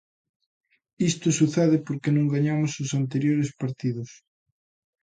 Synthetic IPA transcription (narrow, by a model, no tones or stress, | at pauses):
ist̪osuθeðɪpoɾkenõŋɡaɲamososant̪eɾjoɾespaɾt̪iðʊs